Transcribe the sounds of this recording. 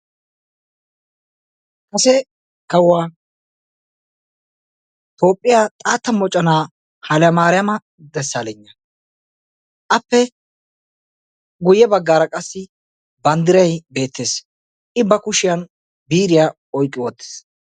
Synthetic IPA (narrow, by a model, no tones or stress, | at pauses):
kʼɐsɛ | kɐwaː | t̪o̞ːpʼːɪjaːt̪ʼaːt̪ːɐmɔt͡ʃʼːɐnaː | hɐljɐmaːɾɪjɐmɐ | d̪ɛsːaːlɛɲːɐ | ʔɐpːɛ | ɡʊjɛbɐɡːaːɾɐkʼɐsːɪ | bɐnd̪ɪɾɐjbe̞ːt̪ʰːeːs | ʔɪbɐkʊʃɪjɐn | biːɾɪja | ɔjkʼːɪwɔt̪ːe̥ːs